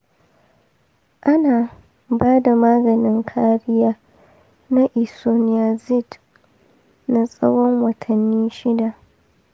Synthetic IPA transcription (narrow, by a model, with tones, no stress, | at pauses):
ʔa˦naː˨ | baː˦da˨maː˦ɡɐ˨nɪ˦ŋkʰaː˦ɾɪ˦jaː˦ | na˦ʔɪ˨so˦nɪ˦ja˨zɪ˦˨d | na˨sʼɐ˦wɔ˦ŋwɐ˨tʰɐ˨nːiː˦ʃɪ˦da˨ʔ